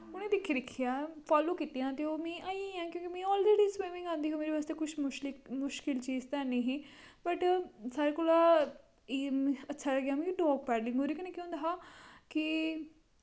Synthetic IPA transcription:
ʊñẽːd̪ekʰːid̪ɪkʰːijaːfaːloːkit̪ijãːt̪eoːmẽːʔaːiãːkjõːkimẽːɔːlɾeːɖiswẽːmɪ̃ŋɡãːnd̪iːɦoːmeːɾeʋaːst̪eːkʊʃmʊʃlɪkmʊʃkɪlt͡ʃiːzt̪ɛːnĩːɦĩː | bəʈsaːɾekʊlaː | ẽːətːʃʰaːləɡjaːmẽɖɔːɡ̚pɛːɖlɪ̃ŋɡoːɾiknẽːkjõːnd̪aɦaːki

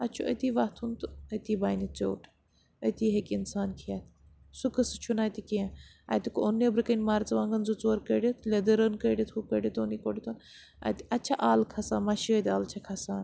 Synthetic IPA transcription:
ɐt͡ʃʰuʔɐ̰t̪iːʋɐht̪ʰunt̪ɨɐt̪iːbaːjnit͡so̰ːʈʰ | ɐt̪iːɦekinsaːnkʰiat̪ | sukɐsɨ̥t͡ʃʰunaːjt̪ikiẽ | a̰jt̪ikonːebɾɨkɐnʲmaːɾt͡sɐʋãːŋɡɐnzut͡soːɾkəɖit̪ʰlʲed̪ɐɾɐnkəɖʲit̪ʰhukəɖʲit̪ʰoːnikoɖit̪ʰun | ɐ̰t̪iʔɐt͡ʃʰɐʔaːlkʰɐsaːmɐʃəːd̪ʲaːlt͡ʃʰɐkʰɐsaːn

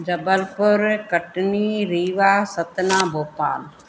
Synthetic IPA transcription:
d͡ʒəbəlpʊɾkəʈniːɾiːʋaːsət̪nãːboːpa̰ːl

